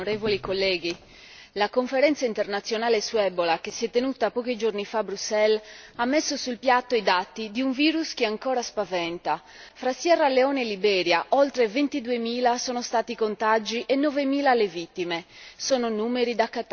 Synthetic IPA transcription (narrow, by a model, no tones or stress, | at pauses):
oɾeːvolikolːɛːɡi | lakoɱfeɾɛnt̪saint̪ernat̪sːjonaːlesuɛbolakesːiɛt̪ːenut̪apɔːk̟id͡ʒornifabɾusːɛlamːesːosulpjat̪ːoid̪at̪ːid̪iuɱviːɾusk̟iaŋkɔːɾaspavɛnt̪a | fɾasjɛrːalːeɔːnɛlibɛːɾjaʔɔlt̪ɾevent̪id̪uemiːlasɔːnost̪aːt̪ikont̪ad͡ʒiʔɛnːɔvemiːlalevit̪ːimesɔːnonuːmeɾid̪akːat̪